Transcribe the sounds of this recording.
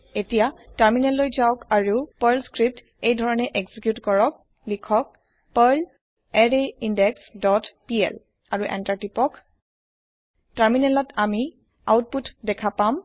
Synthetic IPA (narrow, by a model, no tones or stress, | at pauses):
etijataɹminɛlːojzawkaɹupaɹlskɹip̚t | ejdʱɔɹɔnɛʔeɡz̥ikjutkɔɹɔk̚ | likʰɔk̚ | paɹl | ɛɹeindɛksdɔtpiɛ̰l | aɹuʔɛ̰ntaɹtipɔk | taɹminɛlɔtami | a̰wt̚putdɛkʰapam